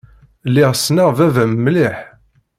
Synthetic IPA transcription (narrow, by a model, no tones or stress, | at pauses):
lːɪʁsnəʁvævæmːliħ